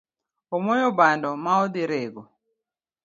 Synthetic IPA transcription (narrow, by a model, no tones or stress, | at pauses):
ɔmɔjɔbandɔmaɔd̪ɪɾeɡo